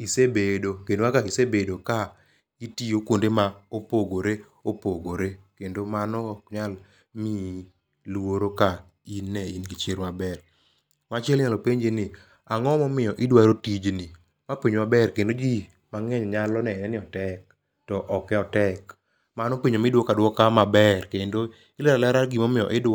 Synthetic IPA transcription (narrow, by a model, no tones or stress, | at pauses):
isebedokendwakaisebedoka | itijokondemaopoɡoɾe | opoɡoɾekendomanɔkɲal | mi | lwoɾoka | inːɛinkit͡ʃeɾmabɛr | mat͡ʃɛlɲalopeɲd͡ʒenɪ | aŋɔmɔmɪjɔʔɪdwaɾotid͡ʒnɪ | mapiɲmabɛrkendod͡ʒi | maŋɛɲɲalɔnɛnɛnɪɔtɛk̚ | tɔʔɔkɛɔtɛk | manɔpiɲomɪdwɔkadwɔkamabɛrkendo | ɪlɛlalɛɾaɡimɔmɪjɔ̰ʔɪd